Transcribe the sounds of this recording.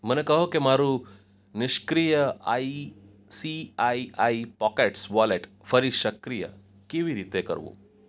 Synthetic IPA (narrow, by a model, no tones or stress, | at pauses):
m̤ənekəɦokimaɾu | niʃkɾijəa̰i | siaiaipɔkeʈsʋɔleʈ | fəɾiʃəkɾijə̰ | kiʋiɾit̪ekə̰ɾʋṵ